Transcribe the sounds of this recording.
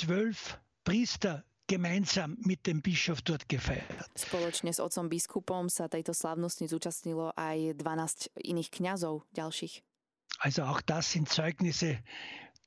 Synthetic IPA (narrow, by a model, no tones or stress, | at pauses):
t͡svœlf | pʁiːst̪ɐ | ɡ̥emaɪnzaːmːit̚d̥̪embiʃɔfd̥̪ɔɐt̪ɡ̥efaɪɐtspɔlɔt͡ʃɲɛzɔ̰t̪sɔmbiskʰupɔmsat̪ɛjt̪ɔslaʊnɔsɲizuːt͡ʃasɲilɔʔajd̪ʋanaːscḭniːxkɲazɔʊɟalʃiːx | ʔalzoaʊxd̪̥asːɪntt͡sɔʏɡnɪse